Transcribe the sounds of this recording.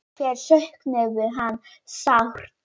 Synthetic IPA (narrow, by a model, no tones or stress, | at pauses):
ɛɾɬœhknɛɣʏɦanː | sawr̥